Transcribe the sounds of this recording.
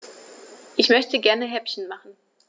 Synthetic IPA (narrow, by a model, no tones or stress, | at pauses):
ʔɪçmœçtəɡɛɐnəɦɛpçn̩maχn̩